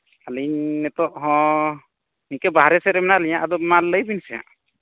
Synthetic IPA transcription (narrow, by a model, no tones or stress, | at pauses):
aliɲnɛt̪ɔʔɦɔ̃ | nikɛbaɦaɾɛsɛɾɛmɛnaliɲaʔad̪ɔmaləjbinsɛja̰ʔ